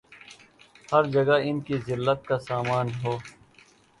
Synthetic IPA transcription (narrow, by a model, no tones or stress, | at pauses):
hɐɾd͡ʒɐɡaɪnkizɪlːət̪̚kasaːmaːnɦoː